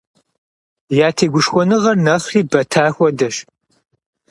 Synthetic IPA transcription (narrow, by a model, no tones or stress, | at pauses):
jaːtʰeːɡʷʊʂxʷɔnɨʁɐrnɐχriːbɐtʰaːxʷɔdɐɕ